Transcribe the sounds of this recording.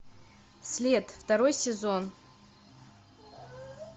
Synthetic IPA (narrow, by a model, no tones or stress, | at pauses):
slʲed̪ftaɾo̞jsʲezo̞n